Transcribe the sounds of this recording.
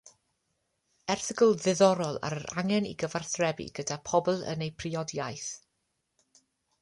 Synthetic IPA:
ɛrθɪɡəlˠðɨðɔɾɔlˠa̰ɾəɾa̰ŋɛnḭɡəvarθrɛbḭɡ̥ədapʰɔblˠə̰nejpʰriɔdjajθ

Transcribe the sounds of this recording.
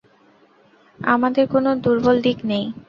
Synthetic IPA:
a̰mad̪eɾkonod̪uɾbold̪iknej

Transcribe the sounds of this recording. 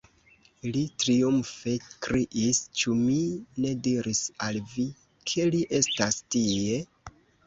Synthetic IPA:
litɾiumfe̞kɾiʔist͡ʃumine̞diɾisalvi | kʰe̞liʔe̞stastie̞

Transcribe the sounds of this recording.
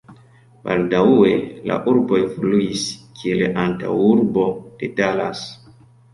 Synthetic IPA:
b̥a̰ldawe̞la̰ʔuɾbo̞jfluiskʰieleʔanta̰wuɾbo̞d̥edalas

